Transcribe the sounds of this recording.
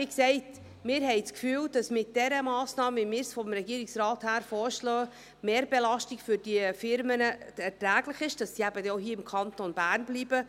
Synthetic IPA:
iksɛɪt | mɪːɾhɛɪt͡skfyːld̥ɑsmɪt̚d̥ɛɾəmɑːsnɑːməvimɪːɾsfɔmɾɛɡiəɾɪksɾɑːthæːɾfɔːɾʃlœː | meːɾbelɑʃtiɡfʏɾd̥iəfɪɾmənəɛɾtɾæːɡlɪχɪʃd̥ɑssiːæbədɛoɦiːəɪmkʰɑntonbæːɾnbliːbə

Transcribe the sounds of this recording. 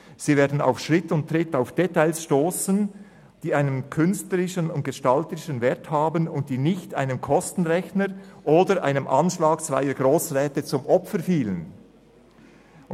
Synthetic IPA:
z̥iːveːɐdn̩a̰ʊfʃʁɪtʊntʁɪtaʊfd̥ɛtaɪlsʃtoːsən | d̥iːaɪnənkʰʏnstləʁɪʃənʊnt̚ɡ̥eʃtɑltəɾɪʃənvɛɐthaːbənʊnt̚d̥iːnɪçta̰ɪnəmkʰɔstn̩ʁɛçnəɾʔoːdəɾʔa̰ɪnəmʔɑ̰nʃlaːkt͡sv̥aɪəɡʁoːsʁɛːtət͡sʊmʔɔpfəɾfiːlən

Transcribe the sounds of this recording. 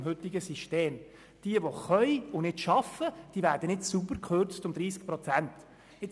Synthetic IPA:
mɦɵt̪ːɪɡəsiʃteːm | d̥iəʋoχœɪʊnɪdʃɑfəd̥iːvæːɾd̥ənɪtsubərkʰχøɾt͡stʊmd̥ɾiːsk̚pɾɔt͡sænt̪ | ɪ

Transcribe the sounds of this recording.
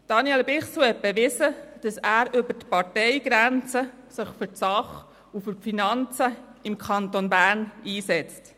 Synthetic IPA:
d̥ɑnjɛlbɪχsuɛt̚bɛʋɪsəd̥ɑsæːɾʏbətpɑɾtɛɪɡ̥ɾænt͡sə | sɪχfʏɾtsɑχ | ufʏɾfinɑnt͡səɪmkʰχɑntonbæːɾniːsɛt͡st

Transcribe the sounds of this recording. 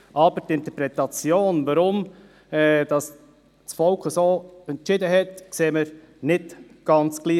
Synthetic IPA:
ʔɑbəɾt̪ɪnt̪əpɾɛt̪ɑt͡sjoːnvɑɾʊm | ɛd̥ɑs | t͡sfɔlkχəsoːɛnt͡ʃɪd̪əɦɛt̪kseːməɾ | nɪtɡ̥ɑnt͡sɡ̥liː

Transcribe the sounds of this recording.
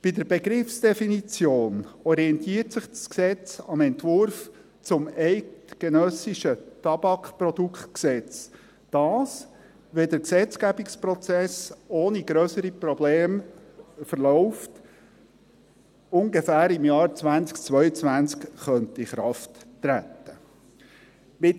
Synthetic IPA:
b̥id̪əɾbeɡɾɪfsd̥ɛfinit͡sjoːnɔɾiɛnt̪iːrtsɪχsksɛt͡sɑmɛntʋʊɾf | t͡sʊmɛɪtɡ̥enœsiʃətɑbɑkprɔd̪ukχtksɛt͡s | d̥ɑːs | ʋɛd̪əɾksɛt͡sɡ̥æbikspɾɔt͡sɛsoːniɡɾœsəɾipɾɔbleːm | fəɾlɔʊft | ʊŋɡefæːɾɪmjɑːɾt͡svænt͡skt͡sʋœʏət͡svʋænt͡skχœnt̪iχɾɑftːɾæt̪ːə | mɪt

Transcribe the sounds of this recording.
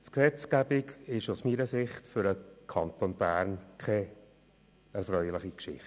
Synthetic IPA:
tksɛt͡skæbɪkɪʃusmiːɾəsɪχtfʏɾəkʰɑnt̪onb̥æːɾnkʰɛ | ɛɾfrœʏlɪχikʃɪ̰χt

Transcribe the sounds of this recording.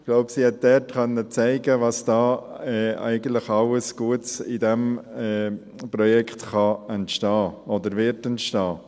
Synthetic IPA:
ɡ̥loʊbsihɛt̚dɛtkœnːət͡sæɪɡəvɑsd̥ɑːɛæ̰ɪɡən̩tləχɑləsɡ̥uətsɪdɛmɛ | pɾɔjɛkχtχɑɛntʃtɑːɔd̪əɾvɪɾtɛntʃtɑː

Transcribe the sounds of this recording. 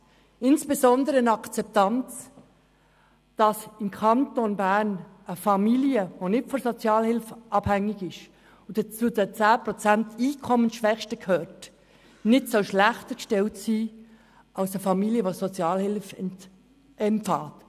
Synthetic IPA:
ɪnsb̥ezɔndəɾəɪnɑkt͡sɛp̚tɑnt͡s | d̥ɑsɪmkʰɑntonbæn | əfɑmiljəvonɪtfɔnsot͡sjɑːlhɪlfʔɑb̥hɛŋːɪɡɪʃ | ʊd̥ɛt͡sudɛt͡sæːpɾot͡sæntiːkʰɔmənsʃʋɛχʃtəkʰhœːt | nɪtsoʃlæχtəkʃtɛltsiː | ʔɑʊsəfɑmiliəʋoːsot͡sjɑːlhɪlfɛ | ɛmfɑːt

